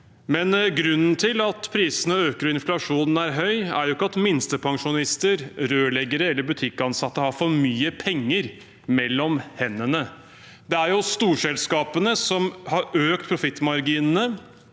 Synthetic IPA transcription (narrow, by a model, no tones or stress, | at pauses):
mɛnɡɾʉnːnt̪ʰɪlɑt̪pʰɾiːsənəøːkəɾɔɪnflɑʂuːnn̩æɾɦœʏæ̰ɾjʊɪkːəɑt̪mɪnst̪əpʰɑŋʂʊnɪst̪əɾɾøːɭɛɡəɾəɛlːəɾbʉt̪ʰɪkːɑnsɑt̪ːəhɑɾfɔɾmyːəpʰɛŋːəɾ | mɛlːɔmhɛnːənə | d̪ɛæɾjʊst̪uːʂɛlskɑːpənəsɔmhɑɾøːkt̪̚pʰɾʊfɪt̪ːmɑɾɡiːnənə